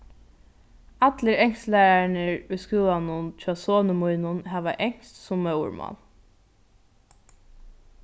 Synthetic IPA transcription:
at̪ləɾɛŋslæɾanəɹʊjskuːwanʊnt͡ʃʰaːsoːnəmujnʊnɦɛːʋaʔɛŋ̥st̪sʊmːœw̰ɹma̰n

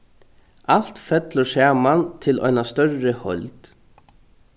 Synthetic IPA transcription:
al̥t̪fɛt̪lʊsaːmant̪ʰɪlʔɔ̰jnast̪œrːɪhœ̰lt̪

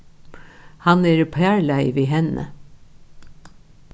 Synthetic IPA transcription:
hɑnæːɾpʰæːɹlæɪʋiːɦɛnə̰

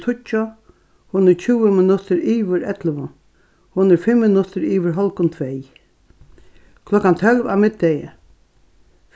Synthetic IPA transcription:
t̪ʰʊt͡ʃːʊ | hʊnəɾt͡ʃʰʉːəmɪnʊt̪ʰəɾiːʋəɾɛt̪ləʋʊ | hʊnəɾfɪmːɪnʊt̪ʰəɾiːʋəɹɦɔlkʊnt̪ʰʋɛːj | kʰlɔkant̪ʰœlʋa̰ʋmɪt̪̚d̪ɛjə

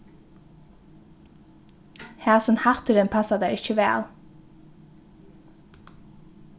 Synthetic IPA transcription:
hæːsənhat̪əɾɪnpʰasad̪æɹɪçəʋæ̰ːl

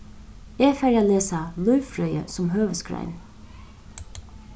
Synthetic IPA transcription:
eːfæɾaːleːsalʊʏfɾœʏə̰sɔmɦøːʋəskɾæ̰ɪn

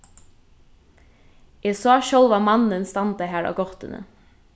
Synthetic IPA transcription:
ɛsɑːʃœw̪ʋamɑnənst̪ɑnt̪aɦæːɹa̰ʋɡɔht̪ɪ̰nə̰

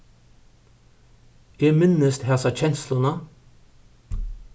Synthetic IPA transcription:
jɛːmɪnːəst̪hæːsɑt͡ɕɛnslʊnɑ

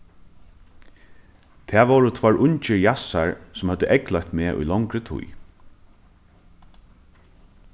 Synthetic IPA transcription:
t̪ʰæːʋɔːɹʊt̪ʰvɔɹʔʊɲt͡ʃɪjasaɹsʊmhœd̪ːəʔɛklœjçt̪meːʔṵjlɔŋkɾət̪ʰṵj

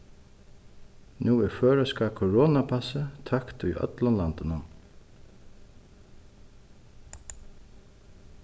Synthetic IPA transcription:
nuːɛføːɾəskakʰɔɹɔːnapʰasət̪ʰakt̪ʊjœ̰t̪lɔnlant̪ɪnan

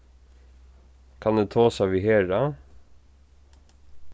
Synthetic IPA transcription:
kʰɑnd̪eːt̪ʰoːsɑʋiːheːɹɑ

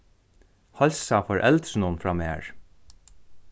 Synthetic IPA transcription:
hɔlsafɔɹʔɛlt̪ɾnʊnfɹɑmḛːɹ

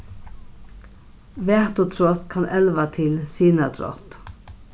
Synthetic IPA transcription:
ʋæt̪oːt̪ʰɾɔt̪kʰɑnʔɛlʋat̪ʰɪlsiːnəd̪ɾɔ̰t̪

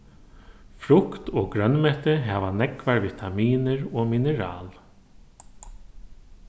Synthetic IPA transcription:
fɾʊkt̪ɔːɡɾœnmɛht̪ɪɦɛːʋanɛkvaɹvit̪ʰamiːnɪɹɔːmɪnəɾa̰ːl

